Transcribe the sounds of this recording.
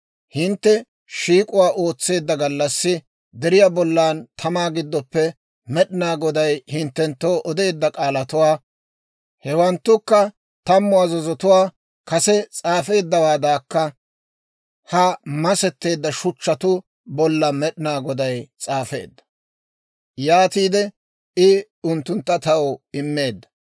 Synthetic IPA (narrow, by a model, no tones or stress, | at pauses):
hɪnt̪ːɛ | ʃiːkʼʊwaːʔo̞ːt͡sːe̞ːd̪ːɐɡɐlːɐsːɪ | d̪ɛɾɪjabɔlːaːnt̪ʰɐmaːɡɪd̪ːɔpːɛ | mɛɗɪnaːɡɔd̪ɐjhɪnt̪ːɛnt̪ːo̞ːʔɔd̪e̞ːd̪ːɐkʼaːlɐt̪ʊwaː | hɛwɐnt̪ːʊkːɐ | t̪ɐmːʊɐzɔzɔt̪ʊwaː | kɐsɛt͡sʼaːfe̞ːd̪ːɐwaːd̪aːkːɐ | hɐmɐsɛt̪ːe̞ːd̪ːɐʃʊt͡ʃːɐt̪ʊ | bɔlːɐmɛɗɪnaːɡɔd̪ɐjt͡sʼaːfe̞̰ːd̪ːɐ̥ | jaːt̪iːd̪ɛ | ɪ | ʊnt̪ːʊnt̪ːɐt̪ɐwʊɪmːe̞ːd̪ːɐ̥